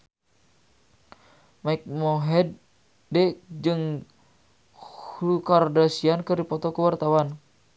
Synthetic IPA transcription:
maik̚moɦɛd | dɛd͡ʒɨŋ | hukardasiankɨrdipɔt̪ɔkəwart̪awan

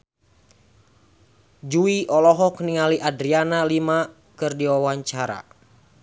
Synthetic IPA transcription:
d͡ʒuiʔɔlɔɦɔkniŋaliʔadɾianalima | kɨrdiwawaɲt͡ʃaɾa̰

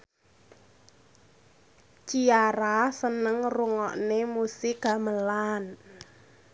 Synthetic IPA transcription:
t͡ʃiaɾasənəŋruŋɔ̰ʔnemusɪɡ̥a̤məlan

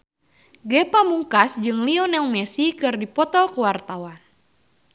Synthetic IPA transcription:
ɡɛpamuŋkasd͡ʒɨŋliɔnjaŋmɛsikɨrdipɔt̪ɔkuwart̪awan

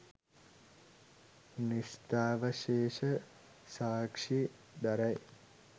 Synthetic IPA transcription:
nist̪aːʋəʃeːʂə | saːkʂi | d̪ɐɾɐj

